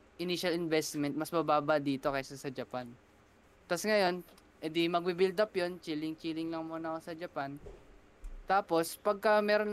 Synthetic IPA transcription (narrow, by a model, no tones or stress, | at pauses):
ʔɪniːʃɐlɪnvɛst̪mɛnt̪̚mɐsmɐbaːbɐd̪iːt̪o̞kɐjsɐsɐd͡ʒɐpan | t̪asŋɐjo̞n | ʔɛd̪imɐɡ̚bibɪld̪ɐpjont͡ʃiːlɪŋt͡ʃiːlɪŋlɐŋmoːnɐkosɐd͡ʒɐpan | t̪aːpo̞spɐɡ̚kɐmɛːɾon